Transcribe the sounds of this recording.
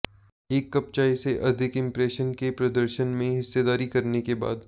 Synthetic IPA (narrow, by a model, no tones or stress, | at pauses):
eːkːɐp̚t͡ʃaːiseʔɐd̪ʱɪkɪ̃mpɾeːʃənkepɾɐd̪əɾʃənmẽɦɪsːed̪aːɾikɐɾnekeba̰ːd̪